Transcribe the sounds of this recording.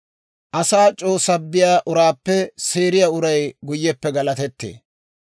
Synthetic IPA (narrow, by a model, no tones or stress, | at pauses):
ʔɐsaːt͡ʃʼo̞ːsɐbːɪjaːʔʊɾaːpːɛseːɾɪjaːʊɾɐjɡʊjːɛpːɛɡɐlɐt̪ɛt̪ːḛː